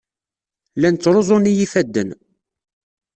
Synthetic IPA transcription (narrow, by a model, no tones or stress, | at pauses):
lænt͡sːɾˤozˤʊnijifæd̪ːən